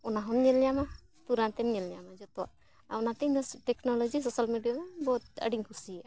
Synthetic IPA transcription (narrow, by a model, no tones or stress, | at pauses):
ɔnaɦɔmɲɛlɲɛjama | t̪uɾant̪ɛmɲɛlɲɛamad͡ʒɔt̪ɔa̰ | a̰ɔnat̪iɲɔʈɛknɔlɔd͡ʒisɔsalmiɖijanabɔɦt̪̚ə̰ɖiɲkʰusia